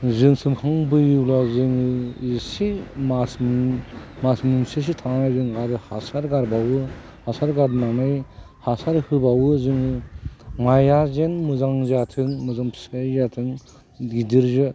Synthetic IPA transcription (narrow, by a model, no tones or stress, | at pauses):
zɯŋsɯmhaŋbɯjuwlazɯŋɯisimasm | masmuŋsis̬itʰaŋnajzɯŋadɯhasaɾɡaɾbawɯ | hasaɾɡaɾdnaŋnaj | hasaɾhɯbawɯzɯŋɯmajazenmuzaŋzatʰɯŋmuzaŋpʰsajzatʰɯŋ | ɡidiɾzɯ